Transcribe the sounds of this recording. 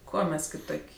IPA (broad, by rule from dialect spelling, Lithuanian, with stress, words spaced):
ˈkuɔ ˈmʲɛs kʲɪˈtoːkʲ